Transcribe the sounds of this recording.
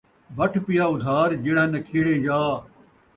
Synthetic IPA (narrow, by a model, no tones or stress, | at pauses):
bɐʈʰpijaːʊd̪ʱaːɾd͡ʒɪɽãːnɐkʰiːɽeːjaː